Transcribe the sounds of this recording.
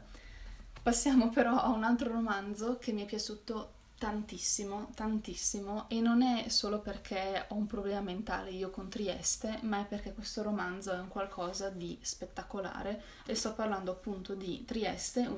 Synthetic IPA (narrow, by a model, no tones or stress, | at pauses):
pasːjaːmopeɾɔʔaunalt̪ɾoɾomand̪zokʰemːiɛpːjat͡ʃuːt̪o | t̪ant̪isːimot̪ant̪isːimoʔenːonɛsoːloperkʰeɔumpɾoblɛːmament̪a̰ːleiːokont̪ɾiɛ̰st̪emaɛpːerkɛkwest̪oɾomand̪zoɛuŋkwalkʰɔːzad̪ispet̪ːakola̰ːɾe | est̪ɔpːarland̪oapːunt̪od̪it̪ɾiɛ̰st̪e